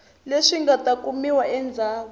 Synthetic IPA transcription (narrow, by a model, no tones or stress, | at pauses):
leʂiŋɡatʼakʼumiwaɛnd͡zʱaː